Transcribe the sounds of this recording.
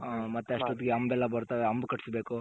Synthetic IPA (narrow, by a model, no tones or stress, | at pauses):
mɐt̪ːeɐʂʈot̪iɡeɐmbɛlːɐbɐɾt̪aʋeɐmbkɐʈi̥sbeːku